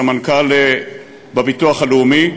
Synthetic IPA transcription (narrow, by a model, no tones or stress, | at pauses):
amankal | bebituaχaleumi